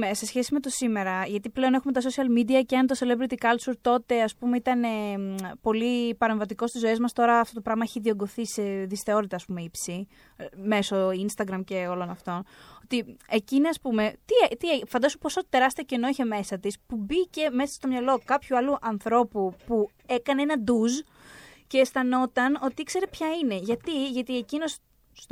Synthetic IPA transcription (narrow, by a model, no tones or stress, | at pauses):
ese̞sçe̞sime̞t̪o̞sime̞ɾɐʝɐt̪iple̞one̞xumet̪ɐs̬o̞siɐlmid̪iɐceɐnt̪ose̞levɾit̪ikɐlsuɾt̪o̞t̪e̞ɐspume̞it̪ɐne̞po̞lipɐɾe̞ɱvɐt̪iko̞st̪izːo̞e̞zmɐst̪o̞ɾɐːft̪o̞t̪o̞pɾɐɣmɐeçiðio̞ŋɡo̞θiseðisθe̞o̞ɾit̪ɐspume̞ipsi | me̞so̞inst̪ɐɡɾɐmce̞o̞lo̞nɐft̪o̞not̪iecineɐspume̞t̪iet̪iefɐnd̪ɐsuposot̪e̞ɾɐst̪ioceno̞içe̞me̞sɐt̪ispubice̞me̞sɐ̥st̪o̞mɲɐlo̞kɐpçuɐluʔɐnθɾo̞pupu | ekɐneenɐd̪uz | ce̞ːsθɐno̞t̪ɐno̞t̪iikse̞ɾepçɐine̞ʝɐt̪iʝɐt̪ie̞cino̞s | s